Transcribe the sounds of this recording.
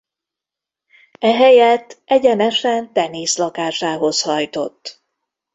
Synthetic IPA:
ɛɦɛjɛt̪ːɛɟɛnɛʃɛnt̪ɛneːslɒkaːʃaːɦo̞shɒjt̪o̞̰t̪ː

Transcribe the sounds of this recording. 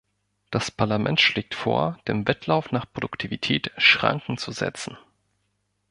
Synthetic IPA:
d̥aspʰaɐlamʔɛ̰ntʃleːk̚tfo̰ːɐd̥eːmvɛtʰlaʊfnaːχpʁ̥odʊktʰivitʰɛːtʃʁ̥a̰ŋkŋ̩t͡suzɛ̰t͡sn̩

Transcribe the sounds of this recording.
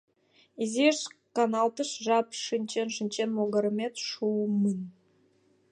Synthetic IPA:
izʲeʃkɑnɑlˠt̪əʃʒɑpʃɨnʲt͡ɕenʃɨnʲt͡ɕenmoɡɑɾəmʲet̪ʃumənʲ

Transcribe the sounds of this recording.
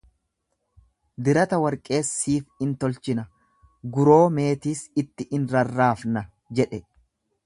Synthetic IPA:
d̪ɪɾɐt̪ɐwɐɾkʼe̞ːsːiːfɪnt̪ɔlt͡ʃɪnɐ | ɡʊɾo̞ːme̞ːt̪iːsɪt̪ːɪʔɪnɾɐrːaːfnɐ | d͡ʒɛᶑɛ

